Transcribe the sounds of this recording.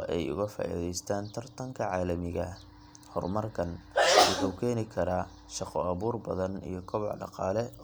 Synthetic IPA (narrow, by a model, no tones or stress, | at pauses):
ʔɛjʊ̰ɣɐfa̰ːʔḭðɛjst̪ʰaːnt̪ʰɐrt̪ʰɐŋkʰɐʕaːlɐmɪɣɐ | hɔ̰rmɐrkʰɐnʊkʰɐwkʰɛːnɪkʰɐɾaː | ʃɑqɔɐβuːrbɐðɐnḭjɞkʰɔβɔʕɖɑ̰qɑːlɛ